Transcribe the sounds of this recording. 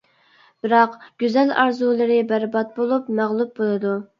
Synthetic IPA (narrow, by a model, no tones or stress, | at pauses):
b̥ɪɾɑqɡ̥ʲyzɛlɑ̰ɾzulˠɨɾɨbæɾbɑt̪̚bolˠupmæʁlˠup̚bolˠɨd̪u